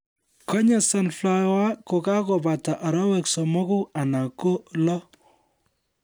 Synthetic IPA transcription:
kɔ˦ɲa˨sa˨nfla˨wa˦ko˨ka˦ko˨ba˨ta˨ʔa˨ɾɔ˦wɛ˨ksɔ˨mɔ˦ku˦a˨na˨ko˦lɔ˦

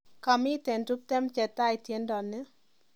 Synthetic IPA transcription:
ka˨mɪ˦tɛ˨ntu˦p̚tɛ˦mt͡ʃɛ˨ta˦ɪ˨tje˦ndɔ˨nɪ˦

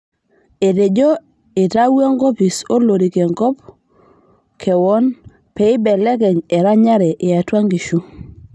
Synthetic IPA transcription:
e˨te˨ɟo˦ | ɪ˨ta˦we˦ŋɡɔ˦pi˨so˦lo˨ɾi˨ke˨ŋkɔ˦p̚ | kʰɛ˨wɔ˦n | pɛ˨ɪ˦bɛ˨lɛ˦kɛ˨ɲɛ˨ɾa˦ɲa˦ɾɛ˨ʔɪ˨a˨twa˦ŋɡi˨ʃu˦

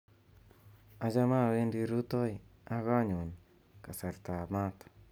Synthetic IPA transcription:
a˦d͡ʒa˦ma˦˨we˦ndi˦ɾu˦to˦ja˦ka˦ɲu˨ɲ | ka˨sa˨ɾt̪a˨ma˦t

